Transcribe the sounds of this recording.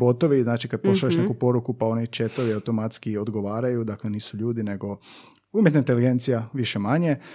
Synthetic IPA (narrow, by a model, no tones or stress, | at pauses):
bo̞t̪oʋiznaːt͡ʃikad̪̚poʃaeʃnekupo̞ɾukupao̞nit͡ʃet̪oʋiawt̪o̞mat̪skio̞d̪ɡoʋaːɾajud̪akle̞niːsuʎuːd̪ine̞ɡo̞ | umjet̪naint̪eliɡe̞nt̪sijaʋiʃemaɲe̞